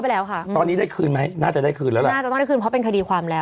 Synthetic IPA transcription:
wpa˨jlɛː˦˥wkʰa˥t̪ɔː˧nːiː˦˥daː˥˩jkʰɯː˧nma˦˥jnaː˥˩t͡ɕa˨˩daː˥˩jkʰɯː˧nlɛː˦˥wlɛ˨˧a˥˩t͡ɕa˩tɔ˥˩ŋda˥˩kʰːnpʰɔ˦˥pe˧nkʰa˧diː˧kʰwaː˧mlɛː˦˥w

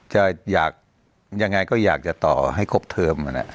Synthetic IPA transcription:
t͡ɕa˨˩jaː˨˩k̚ | ja˧ŋːa˧jkɔː˥˩jaː˨˩k̚t͡ɕa˨˩t̪ɔː˨˩ɦa˥˩jkʰo˦˥˩p̚t̪ʰɤː˧ma˨˩na̰˦˧˥

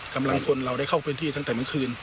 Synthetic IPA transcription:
ka˧mla˧ŋkʰo˧nɾa˧wda˥˩jkʰa˥˩wpʰe˧nt̪ʰiː˥˩t̪a˥˩ŋt̪ɛː˨˩mɯ˧˥˦ŋkʰɯː˧n

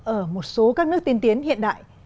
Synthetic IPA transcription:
ʔəː˧˩mo˨˩t̚so˨˦kaː˦˥k̚nɨ˦˥ək̚t̪i˧nt̪i˨˦ənhḭ˧˨ənɗa̰ː˧˨j

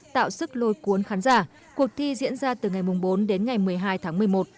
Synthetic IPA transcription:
t̪a̰ː˧˨wsɨ˦˥k̚lo˨˦jku˨˦ənxaː˨˦nzaː˧˩ | ku˨˩ək̚t̪ʰi˧zḭ˧˥ənzaː˧t̪ɨ˨˩ŋa˨˩jmʊ˨˩ŋ͡mɓo˨˦nɗe˨˦nŋa˨˩jmɨ˨˩əjɦaː˧jt̪ʰaː˨˦ŋmɨ˨˩əjmo˨˩t̚

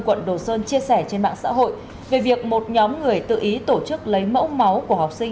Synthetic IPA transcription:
kwə̰˧˨nɗo˨˩səː˧nt͡ɕi˧əsɛ˧˩t͡ɕe˧nɓa̰ː˧˨ŋsa̰ː˧˥ɦo̰˧˨j | ve˨˩vi˨˩ək̚mo˨˩t̚ɲɔ˨˦mŋɨ˨˩əjt̪ɨ̰˧˨ʔi˨˦t̪o˧˩t͡ɕɨ˦˥k̚lə˨˦jmə̰˧˥wma˨˦wku˧˩əɦa˨˩wk͡p̚sï˧ŋ

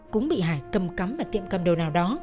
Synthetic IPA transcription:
kʊ̰˧˥ŋ͡mɓḭ˧˨ɦaː˧˩jkə˨˧˩mka˨˦mːaː˨˩t̪ḭ˧˨əmkə˧˩mɗo˨˩wnaː˨˩wɗɔ˨˦

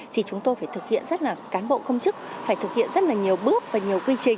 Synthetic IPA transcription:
t̪ʰi˨˩t͡ɕʊ˨˦ŋ͡mt̪o˧jfaː˧˩t̪ɨ˨˩k̚hḭ˧˨ənzə˦˥t̚laː˨˩kaː˨˦nɓo̰˧˨kə˧wŋ͡mt͡ɕɨ˦˥k̚faː˧˩jt̪ʰɨ˨˩k̚hḭ˧˨ənzə˦˥t̚laː˨˩ɲi˨˩əwɓɨ˦˥ək̚vaː˨˩ɲi˨˩əwkwi˧t͡ɕï˨˩ŋ̟

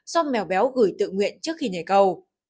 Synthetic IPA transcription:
zɔ˧mmɛ˨˩wɓɛ˨˦wɣɨ˧˩jt̪ɨ̰˧˨ŋwḭ˧˨ənt͡ɕɨ˦˥ək̚xi˧ne˧˩kə˧˩w

